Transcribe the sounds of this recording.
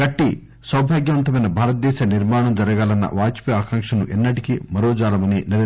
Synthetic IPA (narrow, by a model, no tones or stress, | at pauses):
ɡɐʈːi | sɐwbʱaːɡjɐʋɐnt̪ɐmɐjnɐbʱaːɾɐt̪̚d̪ɛːʃaniɾmaːɳɐmd͡ʒɐɾɐɡaːlɐnːɐ̰ʋaːt͡ʃpiaːkaːŋkʂɐnuʔɛnːɐʈikimɐɾoːd͡ʒaːlɐmɐninɐɾ